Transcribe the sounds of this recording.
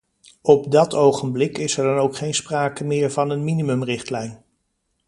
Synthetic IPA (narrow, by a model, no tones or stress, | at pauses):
ɔb̚dɑtʰowχənblɪkɪsɛɹdɑnowkχejnspraːkəmɪːɹvɑnənminimɵmrɪχtlɛjn